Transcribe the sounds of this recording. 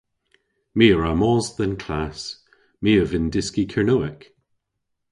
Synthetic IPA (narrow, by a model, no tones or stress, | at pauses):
miːəɹamɔːzðənkʰlas | miːəvɪndɪskikʰəɹnoɪk